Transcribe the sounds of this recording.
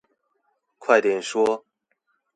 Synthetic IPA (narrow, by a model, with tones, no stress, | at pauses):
kʰwa˥˩ɪt̪jɛ˨˩nʂwɔ˥